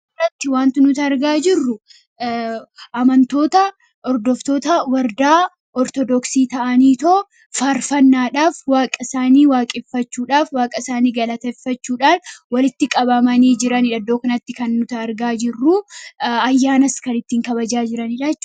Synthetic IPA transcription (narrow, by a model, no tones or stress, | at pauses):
ɐt̪ːɪwaːnt̪ɪnʊt̪ɐɐɾɡaːd͡ʒɪrːʊ | ʔɐmɐnt̪o̞ːt̪ɐ | ɔɾd̪ɔft̪o̞ːt̪ɐwɐɾd̪aː | ɔɾt̪ɔd̪ɔksiːt̪ɐʔɐniːt̪o | faːɾfɐnːaːᶑaːfwaːkʼɐsaːniːwaːkʼɪfːɐt͡ʃːuːᶑaːfwaːkʼɐsaːniːɡɐlɐt̪ɐfːɐt͡ʃːuːᶑaːnwɐlɪt̪ːɪkʼɐbɐmɐniːd͡ʒɪɾɐniᶑɐd̪oːkɐnɐt̪ːɪkɐnːʊt̪ɐːɾɡaːd͡ʒɪrːuːɐjːaːnɐskɐnɪt̪ːiːŋkɐbɐd͡ʒaːd͡ʒɪɾɐniᶑɐt͡ʃː